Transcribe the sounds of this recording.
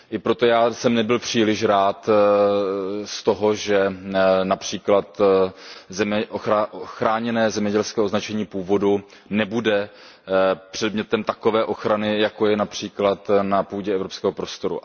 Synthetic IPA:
ʔɪpɾo̞t̪o̞jaːsɛmnɛbɪlpr̝̥iːlɪʃɾaːt̪ | st̪o̞ɦo̞ʒɛnapr̝̥iːklat̪ | zɛmʔoxaxɾaːɲɛnɛːzɛmɲɛɟɛlskɛːoznat͡ʃɛɲiːpuːvo̞du | nɛbudɛ | pr̝̥ɛdmɲɛt̪ɛmt̪ako̞vɛːʔo̞xɾanɪjako̞jɛnapr̝̥iːklat̪napuːɟɛɛvɾo̞pskɛːɦo̞pɾo̞st̪o̞ɾṵ

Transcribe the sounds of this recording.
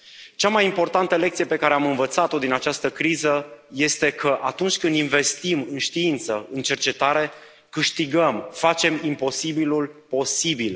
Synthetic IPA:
t͡ʃamajimpo̞rt̪ant̪əlek̚t̪sije̞pe̞kaɾeamɨnvət̪sat̪o̞d̪inat͡ʃast̪əkɾizəje̞st̪e̞kʰəʔat̪unt͡ʃʲkɨnd̪inve̞st̪imɨnʃt̪iint̪səɨnt͡ʃe̞rt͡ʃe̞t̪aɾe̞ | kɨʃt̪iɡəmfat͡ʃe̞mimpo̞sibilulpo̞sibil

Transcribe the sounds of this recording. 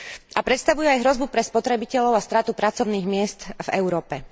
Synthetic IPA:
apɾɛt̪st̪aʋujuajɦɾɔzbupɾɛspɔt̪ɾɛbicɛʎɔʊast̪ɾaːt̪upɾatt͡sɔʊniːɣmɪɛst̪vɛ̰ʊɾɔːpɛ

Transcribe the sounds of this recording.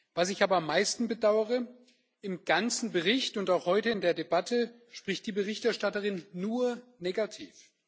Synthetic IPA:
v̥asɪçaːbɐamːaɪstn̩bədaʊəʁə | ɪmɡ̥ant͡sn̩bəʁɪçtʊntaʊxhɔʏtəɪndeːɐdebatʰə | ʃpʁ̥ɪçtd̥iːbəʁɪçtɛɐʃtatəʁɪnːuːɐneːɡatʰḭːf

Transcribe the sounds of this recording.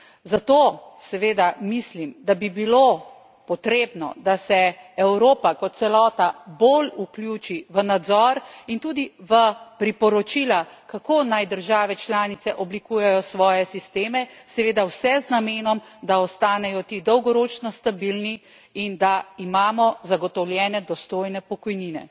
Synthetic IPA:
zat̪oːsɛʋeːd̪amislimd̪abibilo | pɔt̪ɾeːbnɔ̰d̪asɛɛwɾoːpakɔt̪̚sɛlɔːt̪aboluklʲjut͡ʃiʋənad̪zɔɾint̪uːd̪iʋəpɾipɔɾɔt͡ʃiːlakakoːnajd̪əɾʒaːʋɛt͡ʃlaːnit̪sɛʔɔblikuːjɛjɔsʋɔːjɛsist̪eːmɛsɛʋeːd̪awsɛznameːnɔmd̪aɔst̪aːnɛjɔt̪iːd̪ɔwɡɔɾoːt͡ʃnɔst̪abilni | ind̪aimaːmɔzaɡɔt̪ɔwljɛːnɛd̪ɔst̪oːjnɛpɔkɔjniːnɛ̰

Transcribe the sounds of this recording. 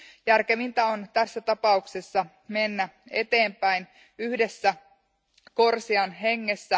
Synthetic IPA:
jærke̞mint̪æo̞nt̪æsːæt̪ɑpɑuksesːɑ | me̞nːæe̞̰t̪e̞ːmpæin | yhdesːæ | ko̞rsiɑnɦe̞ŋːe̞sːæ

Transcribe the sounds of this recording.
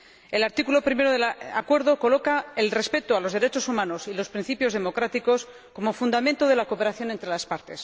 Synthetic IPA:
e̞laɾt̪ikulo̞pɾime̞ɾoðela̰kwe̞ɾðo̞ko̞lo̞kaelre̞spe̞t̪oalo̞zðe̞ɾe̞t͡ʃo̞sumãno̞silo̞spɾin̟θipjoðe̞mo̞kɾat̪iko̞s | ko̞mo̞fund̪amẽnt̪oð̞e̞lako̞pe̞ɾaθjo̞nent̪ɾe̞laspaɾt̪e̞s

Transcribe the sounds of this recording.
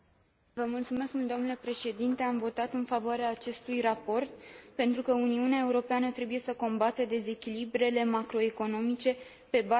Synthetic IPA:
vəmult̪sume̞skmud̪o̞mnule̞pɾe̞ʃe̞d̪int̪e̞amvo̞t̪at̪ɨnfavoaɾeaːt͡ʃe̞st̪ujrapo̞rt̪pe̞nt̪ɾukəuniuneae̞uɾo̞peanət̪ɾe̞buje̞səko̞mbat̪ed̪e̞ze̞kʲilibɾe̞le̞makɾo̞e̞ko̞no̞mit͡ʃe̞ | pe̞ba

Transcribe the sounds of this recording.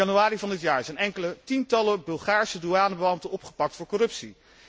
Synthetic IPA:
ɑnyaːɾivɑndɪtjaːɹsɛjnɛŋkələtintɑləbɵlˠχaːɹsəduaːnəbəɑmtənɔpχə̥pɑk̚tfʊːɹkɔrɵpsi

